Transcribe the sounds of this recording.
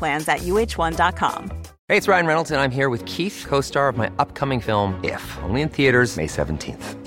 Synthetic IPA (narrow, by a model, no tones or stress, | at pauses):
læ̃nzɨʔjʉeɪt͡ʃwʌ̃ndɑt̚kʰɑ̰̃m | heɪɨtsɹaɪɨ̃nɹɛnl̩ˠtɨ̃nãɪ̃mɦiɹwɨð̥kʰiθkʰoʊstɑɹʌvmaɪʔʌp̚kʰʌmɪ̃ŋfɪlˠmɪ̰fõ̰ʊ̃nliɨ̃nθiɨɾə˞z̥mḛɪsɛ̰ṽn̩tʰḭ̃nθ